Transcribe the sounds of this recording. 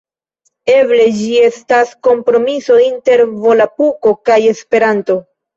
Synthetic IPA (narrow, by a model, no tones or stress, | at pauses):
e̞ble̞d͡ʒie̞stasko̞mpɾo̞miso̞inte̞ɾvo̞lapuko̞kaje̞spe̞ɾanto̞